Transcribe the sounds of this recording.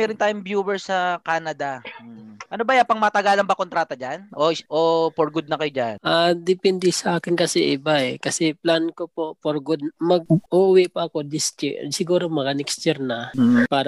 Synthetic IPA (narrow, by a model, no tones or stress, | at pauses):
mɛːɾʊnt̪aːjʊŋbjuːwɛɹsɐkaːnɐd̪ɐ | ʔɐnobajapɐŋmɐt̪ɐɡaːlɐŋbɐkont̪ɾaːt̪ɐd͡ʒanʔoʔopoɾɡʊd̪̚nɐkɐjod͡ʒanʔad̪ɪpɛnd̪ɛsɐʔaːkɪnkɐsɛʔɪbaɛkɐsɛplankopoʔpoɾɡʊd̪̚mɐɡ̚ʔuːwɛpɐɐko̞d̪ɪst̪ɪsɪɡuːɾomɐɡɐnɛkst͡ʃɛɾnɐpaːɾɐ